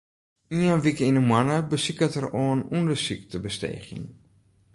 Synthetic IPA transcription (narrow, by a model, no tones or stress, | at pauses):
iənʋikəinəmwanəbəsikətəroːnundəsik̚təbəstḛjχḭŋ